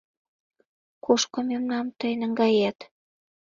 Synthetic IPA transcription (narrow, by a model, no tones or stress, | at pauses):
koʃkŏmemnɑmt̪əjnə̆ŋɡɑjæt̪